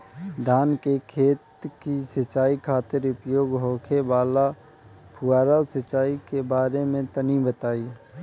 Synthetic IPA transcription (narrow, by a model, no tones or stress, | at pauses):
d̪ʱaːnkekʰeːt̪kisət͡ʃaːikʰaːt̪ɪɾʊpjoːɡɦoːkʰebaːla | pʰʊaːɾasət͡ʃaːikebaːɾemẽt̪ənibət̪aːiː